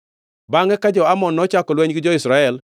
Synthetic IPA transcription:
baŋɛkad͡ʒɔamɔnːɔt͡ʃakɔlwɛɲɡɪd͡ʒɔɪsɾaɛl

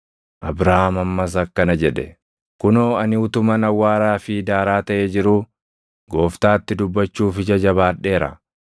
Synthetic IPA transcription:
ʔɐbɾahamɐmːɐs̬ɐkːɐnɐd͡ʒɛᶑɛ | kʊnoːɐnɪʊt̪ʊmɐnɐwːaːɾaːfɪd̪aːɾaːt̪ɐʔeːd͡ʒɪɾuː | ɡo̞ːft̪aːt̪ːɪd̪ʊbːɐt͡ʃːuːfɪd͡ʒɐd͡ʒɐβaːᶑːe̞ːɾɐ̰

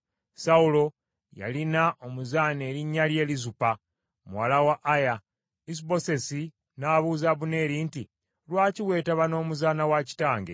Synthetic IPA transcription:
saulo̞ | ja̰linaʔo̞muzaːne̞ːɾiɲːalje̞ːlizupa | muwalawaʔːja | is̬ibo̞se̞si | naːβuːzaβune̞ːɾinti | lwaːciwe̞ːtaβano̞ːmuzaːnawaci̥taːŋɡe̞̰

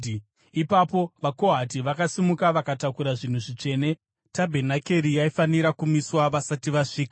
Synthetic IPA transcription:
ipapo̞ʋako̞ɦatiʋakasimukaʋakatakuɾaʐin̤uʐit͡ʃe̞ːne̞ | tabʱe̞nake̞ɾijaifaniɾakumiswaʋasatiʋaʂiːka

